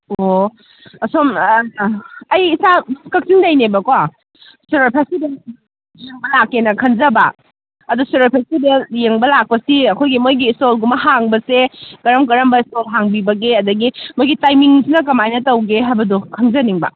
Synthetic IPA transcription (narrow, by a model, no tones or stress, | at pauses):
o | ɐsom | ɐjisakɐk̚sindɐjnebɐkwa | suɾepʰasibel | jeŋbɐlakːenɐkʰɐnzɐba | ɐdusuɾpʰesibejeŋbɐlak̚pɐsiɐkʰojɡimojɡiːstolɡumɐɦaŋbɐsekɐɾɐmkɐɾɐmbɐistolɦaŋbibɐɡeɐdɐɡimojɡitajmiŋsinɐkɐmajnɐtɐwɡeɦajbɐdukʰɐnzɐniŋbɐ̰